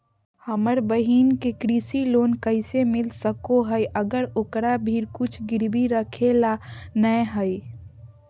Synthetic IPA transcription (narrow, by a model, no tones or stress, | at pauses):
həməɾbəɦiːnkekɾiːsiloːnkəɪsemɪlsəkoɦəjʔəɡəɾʊkɾabʱiːɾkʊt͡ʃʰɡɪɾbiɾəkʰelanəɦəj